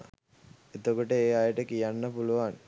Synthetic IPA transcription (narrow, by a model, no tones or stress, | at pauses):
et̪okoʈəeːajəʈəkijanːəpuluʋan